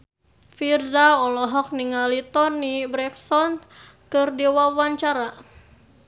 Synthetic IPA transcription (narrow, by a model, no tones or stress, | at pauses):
firzaɔlɔɦɔk̚niŋalit̪ɔnːibɾɛksɔnkɨrdewawaɲt͡ʃaɾa